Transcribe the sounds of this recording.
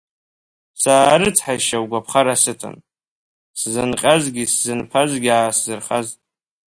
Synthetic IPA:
saːɾɨt͡sʰħaʃawɡʷapʰχaɾasɨtʰʼɨ̰n | szɨnqʲʼazɡʲiszɨnpʰazɡʲiaːszɨrχazʼ

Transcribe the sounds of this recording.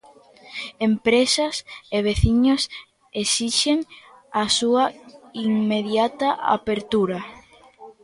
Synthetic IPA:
empɾesaseβ̞eθiɲos | esiʃeŋ | asuaiŋmeðjat̪aʔa̰peɾt̪uɾa

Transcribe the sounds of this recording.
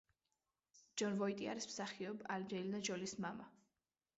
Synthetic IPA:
d͡ʒɔnvɔit̪ʼia̰ɾismsaχiɔbalɾɛlinad͡ʒɔlismama

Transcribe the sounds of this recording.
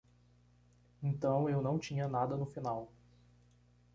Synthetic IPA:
ẽnt̪ɐ̃w̃ewnɐ̃w̃t͡ʃĩɲɐnad̪ɐnʊfinaw

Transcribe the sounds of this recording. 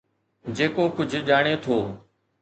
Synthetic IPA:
d͡ʑeːkokʊd͡ʑʱʄaːɽ̃et̪ʰoː

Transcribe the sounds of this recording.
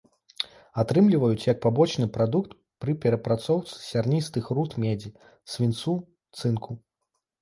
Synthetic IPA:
at̪ɾɨmlʲivɐjut͡sʲjɐk̚pabɔt͡ʃnɨpɾad̪ukt̪ | pɾɨpʲɛɾɐpɾat̪sɔwt̪sɨ̥sʲarnʲist̪ɨxrut̪mʲɛd͡zʲi | sʲvʲint̪su | t̪sɨnkʰu

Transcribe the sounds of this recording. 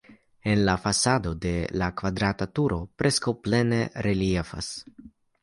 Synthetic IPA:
e̞nlafasado̞de̞lakvadɾatatuɾo̞pɾe̞skawple̞ne̞ɾeliefa̰s

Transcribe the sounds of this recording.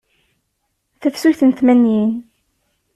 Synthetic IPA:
θəfsuçθənt̪mænjin

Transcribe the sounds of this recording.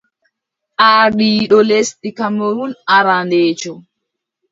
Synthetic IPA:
ʔaːɗiːɗɔlesɗikamɔɾunaɾandɛːt͡ʃɔ

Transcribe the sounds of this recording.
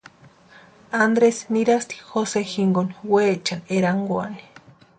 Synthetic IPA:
and̪ɾesniɾast̪i̥xosexiŋɡonwet͡ʃaneɾaŋɡwa̰ni̥

